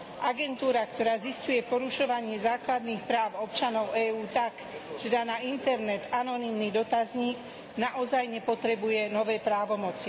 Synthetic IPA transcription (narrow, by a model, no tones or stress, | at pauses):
ʔaɡɛnt̪uːɾakt̪ɔɾaːziscujɛpɔɾuʃɔʋaɲɪɛzaːklad̪niːxpɾaːʊɔpt͡ʃanɔʊɛːuːt̪ak | ʒɛd̪anaint̪ɛɾnɛt̪anɔnimnid̪ɔt̪azɲiːɡ | naʔɔzajɲɛpɔt̪ɾɛbujɛnɔʋɛːpɾaːʋɔmɔt͡si